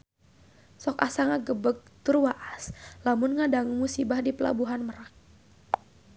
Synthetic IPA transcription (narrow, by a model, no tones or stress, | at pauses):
sɔkasaŋaɡəbək̚t̪ʊrwaʔaslamʊnŋadaŋuŋmusibahdipəla̰buɦanməɾak̚